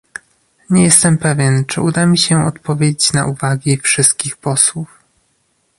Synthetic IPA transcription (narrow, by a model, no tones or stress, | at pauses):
ɲɛjɛst̪ɛmpɛvʲjɛnt͡ʂɘud̪amʲiɕɛɔ̰t̪pɔvʲjed͡ʑet͡ɕna̰ʔuvaɡʲifʂɘst̪̚kʲixpɔswuf